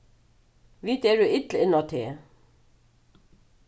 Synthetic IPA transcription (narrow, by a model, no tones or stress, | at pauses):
ʋiːt̪ɛɾʏɪt̪lɪnːat̪ʰeː